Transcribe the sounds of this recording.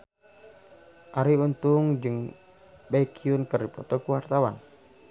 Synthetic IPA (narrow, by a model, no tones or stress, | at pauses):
ʔaɾiunt̪uŋd͡ʒɨŋ | baikʰiunkərdipɾɔ̰t̪ɔkuwart̪awan